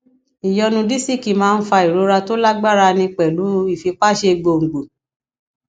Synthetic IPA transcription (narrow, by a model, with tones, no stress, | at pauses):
i˨jɔ˧nũ˧di˦˨si˦˨ki˨mãː˦˧n̩˦fa˧i˨ɾo˨˦ɾa˧to˦la˦ɡ͡ba˦ɾa˧nĩ˧k͡pɛ˨lu˨˦i˦˨fi˧k͡pa˦˨ʃe˧ɡ͡bo˧˨ŋ̩˨ɡ͡bo˨